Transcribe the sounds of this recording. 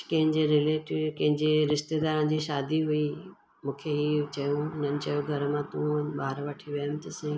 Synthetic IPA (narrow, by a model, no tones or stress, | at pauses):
kɐ̃ɦɪ̃ɲd͡ʑeɾɪleːʈɪkɐ̃ɦɪ̃ɲd͡ʑeɾɪʃt̪ed̪aːɾə̃n̆d͡ʑiːʃaːd̪iɦui | mũːkʰeɦiːt͡ɕɐjũɪn̤ənɪ̆t͡ɕɐjoɡʱɐɾəmãt̪ũːnɓaːɾʋəʈʰiʋɐjmt̪ɐsãĩ